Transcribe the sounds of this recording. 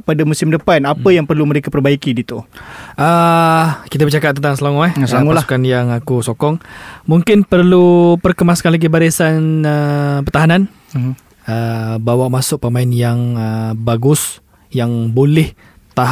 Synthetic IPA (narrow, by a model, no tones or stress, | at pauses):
padamusɪmdəpanapəjaŋpərluməɾekapərbaikidit̪uʔə | kit̪̬abət͡ʃakatp̚t̪ənt̪aŋsəlaŋuɛhsəlaŋualsu̥kanjaŋakusokɔŋmuŋkɪnpərlupərkəmaskanlaɡibaɾisanəpərt̪aɦanan | əbawaʔmasʊk̚pəmaɪnjaŋəbaɡʊs | jaŋbolɛh | t̪aɦ